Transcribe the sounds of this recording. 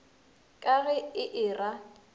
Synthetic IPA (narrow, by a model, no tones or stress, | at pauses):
kʼaɣɛɪʔɪːra